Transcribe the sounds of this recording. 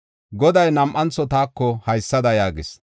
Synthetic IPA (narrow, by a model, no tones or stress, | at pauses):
ɡɔd̪ɐjnɐmʔɐnt͡sːɔt̪aːkːɔhɐjsːɐd̪ɐjaːɡɪs